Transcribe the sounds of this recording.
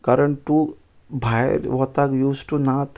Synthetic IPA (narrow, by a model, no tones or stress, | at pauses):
kaɾəɳʈu | bʱaj̰ɾʋot̪akjuːsʈunat̪